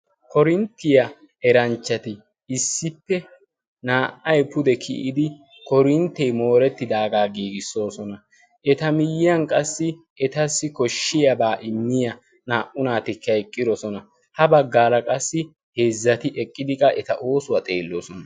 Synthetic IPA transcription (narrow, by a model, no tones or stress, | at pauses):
kʰɔɾɪnt̪ːɪjɐ | ɛɾɐnt͡ʃːɐt̪ɪ | ɪsːɪpːɛ | naːʔɐjpʊd̪ɛkʰɪ̰ʔɪd̪ɪ | kɔɾɪnt̪ːɛjmo̞ːɾɛt̪ːɪd̪aːɡaːɡiːɡɪsːo̞ːsɔnɐ | ʔɛt̪ɐmɪjɪjɐnkʼɐsːɪ | ɛt̪ɐsːɪkɔʃːɪjɐbaːʔɪmːɪjɐ | naːʔʊnaːt̪ɪkːɐjkʼːɪd̪ɔsɔnɐ | hɐbɐɡːaːlɐkʼɐsːɪ | heːzːɐt̪ɪʔɛkʼːɪd̪ɪkʼɐʔɛt̪ɐ̰ʔo̞ːsʊwɐt̪ʼe̞ːlːoːsɔnɐ